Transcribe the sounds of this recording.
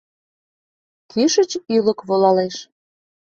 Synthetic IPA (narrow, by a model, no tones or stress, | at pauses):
kʰiʃə̆t͡ɕylə̆kβolɑleʃ